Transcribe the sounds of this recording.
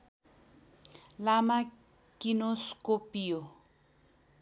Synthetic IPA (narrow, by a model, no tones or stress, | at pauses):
lama | kinoskopijo